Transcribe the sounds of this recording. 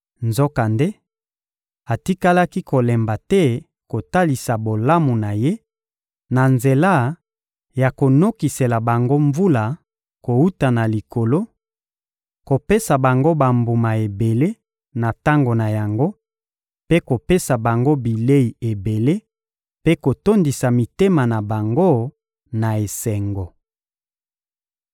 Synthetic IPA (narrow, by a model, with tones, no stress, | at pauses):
nzo˦ka˨nde˦ | a˨ti˦ka˦la˦ki˦ko˨lɛ˨mba˨tɛ˦ | ko˨ta˦li˨sa˨bo˨la˦mu˨na˨je˦ | na˨nze˨la˦ | ja˨ko˨no˦ki˨se˨la˨ba˨ŋɡo˦ɱvu˦la˨ | ko˨u˦ta˨na˨li˨ko˨lo˦ | ko˨pe˦sa˨ba˨ŋɡo˦ba˨mbu˨ma˨e˨be˨le˦ | na˨ta˦ŋɡo˨na˨ja˨ŋɡo˦ | pe˦ko˨pe˦sa˨ba˨ŋɡo˦bi˨le˦i˨e˨be˨le˦ | pe˦ko˨to˦ndi˨sa˨mi˨te˦ma˨na˨ba˨ŋɡo˦ | na˨e˨sɛ˨ŋɡo˨